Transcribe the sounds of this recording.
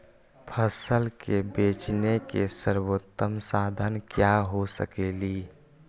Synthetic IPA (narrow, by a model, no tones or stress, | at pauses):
pʰəsəlkebeːt͡ʃnekesəɾwot̪ːəmsaːd̪ʱənkjaɦosə̰keːliː